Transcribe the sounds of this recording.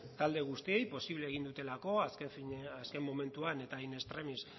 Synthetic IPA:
t̪ald̪e̞ɣ̞ust̪ie̞jpo̞siβle̞ːɣind̪ut̪e̞lako̞asefiaske̞mːo̞me̞nt̪uane̞t̪aine̞st̪ɾemis

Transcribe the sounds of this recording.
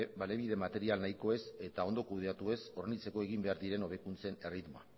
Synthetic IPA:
bale̞β̞iðe̞mat̪e̞ɾialnajko̞e̞se̞t̪ao̞nd̪o̞kuð̞e̞at̪ue̞so̞renit͡se̞ko̞e̞ɣ̞imbe̞aɾðiɾe̞no̞β̞e̞kunt͡se̞ne̞rit̪moa̰

